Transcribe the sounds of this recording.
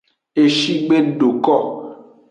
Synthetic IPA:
e˦ʃi˦ɡ͡be˦n̩˦ɖo˨kɔ˦˨

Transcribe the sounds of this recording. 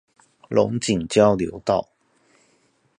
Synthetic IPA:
lʊ̰˨˥ŋt͡ɕi˨˩ŋt͡ɕjɑ˥ʊljo˧˥ʊt̪ɑ˥˩ʊ

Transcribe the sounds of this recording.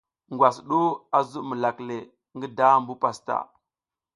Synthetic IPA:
ŋɡwa˨sɗu˦a˨zu˦mə˨la˨kle˨ | ŋɡə˦da˦˨mbu˦pa˨sta̰˨

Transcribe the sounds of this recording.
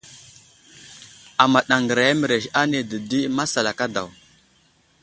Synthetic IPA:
a˨ma˨ɗa˨ŋɡə˨ɾa˨ja˦mə˨ɾe˨ʃa˦ne˨də˨di˦ma˦sa˨la˨ka˦da̰˨w

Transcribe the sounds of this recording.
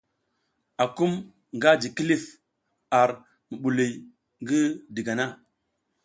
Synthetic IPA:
a˨ku˦m | ŋ˨ɡa˦d͡ʒi˨ki˦li˦f | a˨ɾ | mə˨ɓu˨li˨j | ŋɡi˦di˨ɡa˨na˦

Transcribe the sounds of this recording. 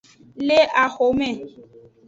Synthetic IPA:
le˦ʔa˨xo˨mɛ̃˦˨

